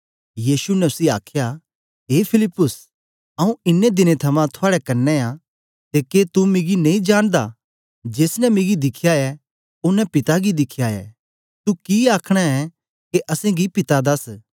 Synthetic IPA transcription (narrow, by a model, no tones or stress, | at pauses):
jiːsunɐʊsia̰ːkʰja | ɦeːpʰɪlɪpːʊs | ɐũɪnːed̪ɪnet̪ʰɐmãt̪ʰʊaːɽɛkɐnːɛa | t̪eːket̪umɪɡinɐĩd͡ʒaːɽ̃d̪a | d͡ʒeːsnɛmɪɡid̪ɪkʰːjaɛ | ʊnɛpɪt̪aɡid̪ɪkʰjaɛ̰ː | t̪ukiaːkʰɽ̃ɛɛ | keʔɐsẽɡipɪt̪ad̪ɐs